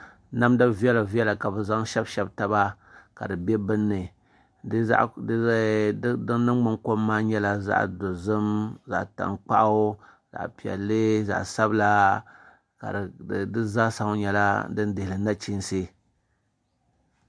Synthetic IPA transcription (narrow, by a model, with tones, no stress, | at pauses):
na˦mdɨ˦bvi˦ɛ˦la˨vi˦ɛ˦la˨ka˨bɨ˨za˦ŋʃɛ˦bʃɛ˦bta˦ba˦ | ka̰˨dɨ˨bɛ˦bɨ˦nːɨ˨˦ | a̰˦ʔ | dɨ˦ŋ˦nɨ˦ŋ˦ɡ͡bɨ˦ŋko˦mːaː˦ɲɛ˦la˦za̰˦ʔdo˨zɨ˦mza̰˨ʔta̰˨ŋk͡pa̰˦ʔ | za̰˨ʔpi˨ɛ̰˨lːɨ˦za̰˨ʔsa˦bla˦ | ka̰˨dɨ˦za˦sa˨ŋ˦ɲɛ˨la̰˦dɨ˦n˦dɪ˨hɪ˨lɨ˨na˦t͡ʃi˦nse˦